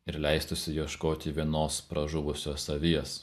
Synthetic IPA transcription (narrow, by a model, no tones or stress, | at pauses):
ɪɾlʲɛɪst̪ʊsʲɪjiɛʃkoːt̪ʲɪʋʲiɛnoːspɾɐʒʊʋʊsʲoːsɐʋʲiɛs